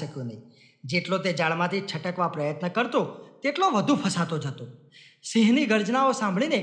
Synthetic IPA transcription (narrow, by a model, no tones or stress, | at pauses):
əkjũnəɦĩ | d͡ʒeʈlot̪̬ed͡ʒaɭmãt̪ʰit͡ʃʰəʈəkʋapɾəjət̪nəkəɾt̪ot̪eʈloʋəd̪ʱũpʰəsat̪od͡ʒət̪o | siɦniɡəɾd͡ʒnaosãmbʱɭine